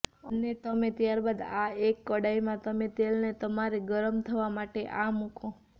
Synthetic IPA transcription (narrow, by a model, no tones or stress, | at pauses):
ənet̪əmẽt̪jaɾbad̪aekːəɽaimãt̪əmet̪elnet̪əmaɾeɡəɾəmt̪ʰəʋamaʈeʔamukʰõ